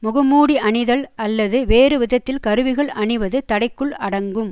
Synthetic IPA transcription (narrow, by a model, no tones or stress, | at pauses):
mʊɣɐmuːɽiʔɐɳɪðɐɭɐlːɐðɯʋeːrɯʋɪðɐt̪ːɪlkɐɾɯʋɪɣɐɭɐɳɪʋɐðɯt̪ɐɽɐɪkːɯɭɐɽɐŋɡɯm